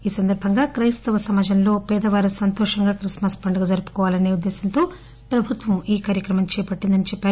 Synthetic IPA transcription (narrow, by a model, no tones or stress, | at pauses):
iːsɐnd̪ɐɾbʱɐŋɡaːkɾɐjst̪ɐʋɐsɐmaːd͡ʒɐnlo̞ːpɛːd̪ɐʋaːɾusɐnt̪ɔːʂɐŋɡaːkɾismɐspɐɳɖɐɡɐd͡ʒɐɾupu̥kɔːʋaːlɐneːud̪ːeːsɐnt̪oː | pɾɐbʱut̪ʋɐmiːkaːɾjɐkɾɐmɐmt͡ʃɛːpɐʈːind̪ɐnit͡ʃɛpːaːɾu